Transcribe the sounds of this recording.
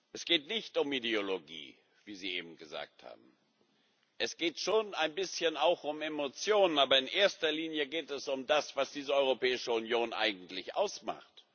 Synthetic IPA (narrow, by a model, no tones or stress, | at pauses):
ʔɛsɡ̥eːtnɪçtʊmideoloɡḭː | viːziːʔeːbm̩ɡəza̰ːk̚tha̰ːb̚m̩ | ʔɛsɡ̥eːtʃoːnaɪnbɪsçənaʊxʊmemot͡sjoːnənaːbɐɪnʔeːɐstɐliːnjəɡeːtɛsʊmdasv̥asd̥iːzəɔʏʁ̞opɛːɪʃəʊnjoːnʔa̰ɪɡŋ̩tlɪçʔa̰ʊsma̰χt